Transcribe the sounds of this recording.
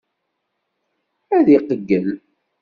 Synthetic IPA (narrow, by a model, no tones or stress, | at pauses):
æðiqəɡːəl